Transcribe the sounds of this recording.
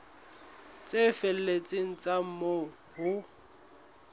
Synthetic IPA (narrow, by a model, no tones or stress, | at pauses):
t͡sʼefel̩let͡sʼɪŋ̩t͡sʼam̩mo | hʊ